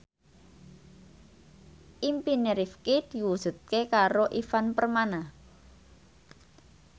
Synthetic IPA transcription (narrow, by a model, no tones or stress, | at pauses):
ʔimpineɾifkid̪iwuʒ̥ṳt̪̚kekaɾoʔifanpərmana